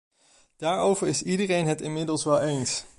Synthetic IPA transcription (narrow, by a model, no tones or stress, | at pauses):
d̥aːɹowvəɹɪsidərejnɦətɪnmɪdəlˠsʋɛlˠejns